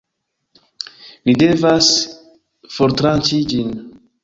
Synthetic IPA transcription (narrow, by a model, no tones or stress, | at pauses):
mide̞vas | foɾtɾant͡ʃid͡ʒin